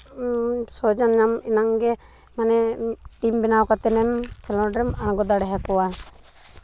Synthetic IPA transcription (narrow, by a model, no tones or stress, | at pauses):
sɔd͡ʒanɲamɛnaŋɡɛ | manɛʈimbɛnawkat̪ɛnɛmkʰɛlɔɾɛmañɡɔd̪aɽɛɦakɔwa